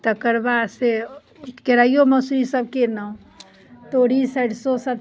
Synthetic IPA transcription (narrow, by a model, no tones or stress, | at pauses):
t̪əkəɾbase | keɾaijoməsɾisəb̚kenəũ | t̪oɽisəɽsosəb